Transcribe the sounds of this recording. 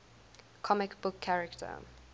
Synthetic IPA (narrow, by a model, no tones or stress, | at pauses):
kʰɔmɪkbʊkʰːaɹɛktʰə̰